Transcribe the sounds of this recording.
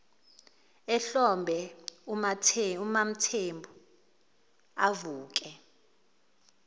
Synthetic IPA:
ɛɬɔmbʱɛaumam̩tʰembʱu | avuːk̬ʼɛ

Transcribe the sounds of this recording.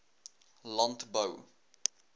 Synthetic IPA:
lãntbəw

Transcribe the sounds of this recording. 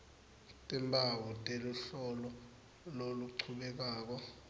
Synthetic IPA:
tʼɛmbʱawɔtʼeluɬɔlɔ | loluǀʰuɓɛk̬aːk̬ɔ

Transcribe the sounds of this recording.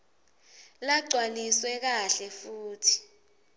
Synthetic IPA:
laǀʱwaniswɛk̬aɬɛfuːtʰi̥

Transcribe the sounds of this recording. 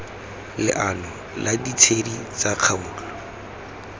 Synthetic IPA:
lɪ̰ʔanɔ | ladit͡sʰedit͡saq͡χʰauːka

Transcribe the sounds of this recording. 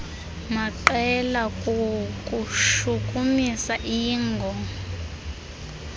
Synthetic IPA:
maǃɛlakʼukʼuʃuk̬ʼumisaʔiːŋɡʱɔ

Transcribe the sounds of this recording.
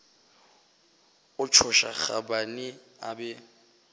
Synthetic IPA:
ʊt͡ʃʰʊʃaχa̰banɪabɛ

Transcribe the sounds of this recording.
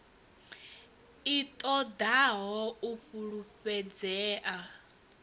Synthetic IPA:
it̪ʼɔd̪aɦɔuɸuɺuɸɛd͡zɛːʔa

